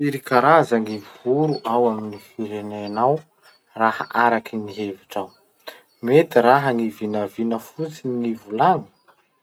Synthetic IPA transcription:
iɾikaɾazaŋiuɾuʔawaminifiɾenenaw | raha̰ʔaɾakiniɦeviʈ͡ʂaw | met̪iɾaɦəŋivinavinəfut͡siŋivulaŋə̥

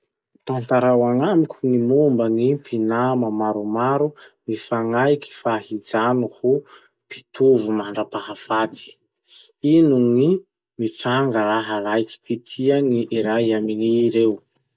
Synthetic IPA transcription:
t̪ant̪aɾawaŋamikʲunimumbənipʰinamamaɾumaɾunifaŋajki̥fahid͡zanuhu | pi̥t̪uvumaɳɖ͡ʐəpaɦafat̪i̥ | inuni | miʈ͡ʂaŋɡəɾaɦalajki̥pit̪ʰianiʔiɾajaminiːɾew

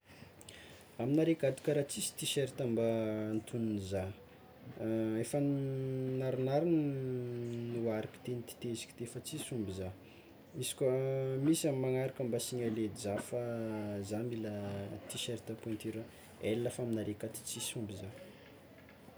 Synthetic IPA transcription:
aminaɾekat̪i̥kaɾat͡sisi̥t̪iʃeɾt̪ambant̪ʰununza | efə | naɾinaɾin | nuwaɾaki̥t̪enit̪i̥t̪ezi̥ki̥d̪eefət͡sisumbiza | isi̥kʲəmisamimːaŋaɾakambasiɲaled̪izafazambilat̪iʃeɾit̪apuent̪ʰeɾə | elːafaminaɾekat̪i̥t͡sisumbiza

